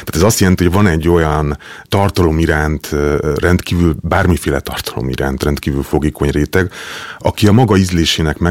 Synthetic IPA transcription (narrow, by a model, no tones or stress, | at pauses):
t̪aːt̪ɛzɒst̪jɛlɛnt̪ihoɟvɒnɛɟːo̞jɒnt̪ɒrt̪ɒlo̞miɾaːnt̪rɛnt̪kiːvylbaːrmifeːlɛt̪ɒrt̪ɒ̥lo̞̰mḭɾa̰ːnt̪rɛnt̪kiːvylfo̞ɡiːko̞ɲreːt̪ɛɡɒkiɒmɒɡɒizleːʃeːnɛkmɛ